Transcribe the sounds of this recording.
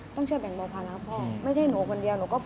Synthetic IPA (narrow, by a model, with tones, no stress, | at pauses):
t̪ɔ˥˩ŋt͡ɕʰɯ˥˩əjbɛ˨˩˦ŋbɔː˧pʰaː˧laː˧˦˥wpʰɔː˧˥˩ma˥˩jt͡ɕʰa˥˩jnuː˩˦kʰo˧ndi˧əwnuː˨˦kɔː˥˩pʰ